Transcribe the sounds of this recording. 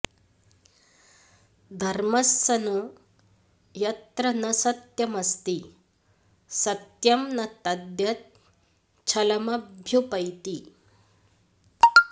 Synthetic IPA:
d̪ʱɐɾmɐsːɐno | jɐt̪ɾənɐsɐt̪jɐmɐst̪i | sɐt̪jɐmnɐt̪ɐd̪jɐt̪̚ | t͡ɕʰɐlɐmɐbbʱjupɐjt̪iː

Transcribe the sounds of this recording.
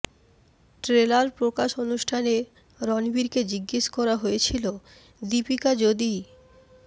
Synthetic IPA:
ʈɾelaɾpɾokaʃonuʃʈʰane | ɾɔnibiɾked͡ʑiɡːeʃkɔɾaɦojet͡ɕʰilo | d̪ipikad͡ʑod̪i

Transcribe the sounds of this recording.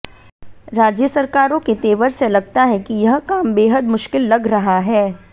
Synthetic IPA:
ɾaːd͡ʒjəsɐɾkaːɾõket̪eːʋəɾselɐɡ̚t̪aɦɛ̃kijɐɦkaːmbeːɦəd̪mʊʃkɪlːɐɡɾɐɦaɦɛː

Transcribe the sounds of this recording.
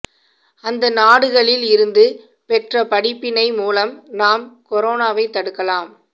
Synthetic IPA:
ɐnd̪ɐnaːɽɯɣɐɭɪlɪɾɯnd̪ɯ | pɛʈrɐpɐɽɪpːɪnɐɪmuːlɐmnaːmkɔɾoːnaːʋɐɪt̪ːɐɽɯkːɐlaːm

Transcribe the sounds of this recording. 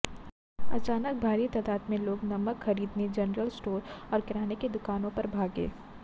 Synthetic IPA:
ɐt͡ʃaːnək̚bʱaːɾit̪aːd̪aːt̪mẽloːɡnɐməkxɐɾiːd̪ned͡ʒɐnɾəlsʈoːɾɔːɾkɪɾaːneked̪ʊkaːnõpɐɾbʱaːɡḛː

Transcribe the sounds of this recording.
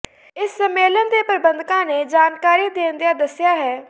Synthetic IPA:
ɪsːəmːeːlənd̪eːpəɾbənd̪kãːneːd͡ʒaːnkaːɾiːd̪ẽːnd̪ijaːd̪əsɪjaːɦɛː

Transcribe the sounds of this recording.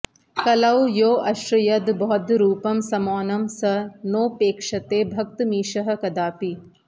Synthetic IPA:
kɐlɐwjoːʔɐʃɾɐjɐd̪bɔɦɔd̪ɾuːpɐmsɐmɔːnɐmsɐnoːpeːkʂɐt̪eːbʱɐk̚t̪miːʃɐɦɐ̆kɐd̪aːpi

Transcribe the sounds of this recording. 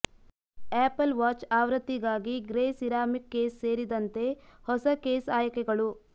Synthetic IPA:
eːpɐlʋaːt͡ʃaːʋɾɐt̪ːiɡaːɡiɡɾeːsiɾaːmikːeːsseːɾid̪ɐnt̪e̞hɔsɐkeːsaːjɐkɛɡɐɭu

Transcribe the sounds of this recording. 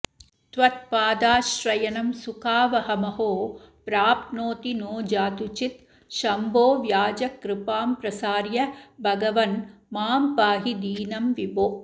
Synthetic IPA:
t̪ʋɐt̪̚paːd̪aːʃɾɐjɐnɐmsukaːʋɐɦɐmɐɦoː | pɾaːpnoːt̪inoːd͡ʒaːt̪ut͡ʃit̪ | ʃɐmbʱoːʋjaːd͡ʒɐkɾɪpaːmpɾɐsaːɾjɐbʱɐɡɐʋɐnmaːmpaːɦid̪iːnɐmʋiboː

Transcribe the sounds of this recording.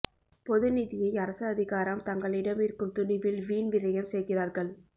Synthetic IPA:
pɔðɯniðɪjɐɪɐɾɐsɐːðɪɣaːɾɐmt̪ɐŋɡɐɭɪɽɐmɪɾɯkːɯmt̪ʊnɪʋɪlʋiːnʋɪɾɐjɐmsɛjɣɪraːɾɣɐɭ

